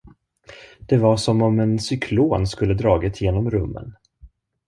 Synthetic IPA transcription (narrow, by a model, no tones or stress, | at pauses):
d̪̥ɛvaʂɔmɔmɛnsʏkʰloːnskɵlːəd̪ɾɑːɡɪt̪jeːnɔmɾɵmːə̰n